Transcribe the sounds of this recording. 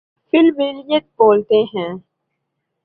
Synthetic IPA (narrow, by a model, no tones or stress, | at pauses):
fɪlmeːɾijət̪̚boːlt̪eɦɛ̃ː